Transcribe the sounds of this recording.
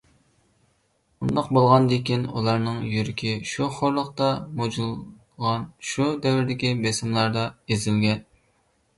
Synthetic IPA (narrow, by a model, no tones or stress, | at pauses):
und̪ɑqbolˠʁɑnd̪ekʲinṵlˠɑɾnɨŋjyɾɪkʲʰiʃuχoɾlˠəqt̪ɑmod͡ʒulˠ | ʁɑnʃud̪ɛwɪɾd̪ɪkʲibɛsɪmlˠɑɾd̪ɑezɪlɡʲɛn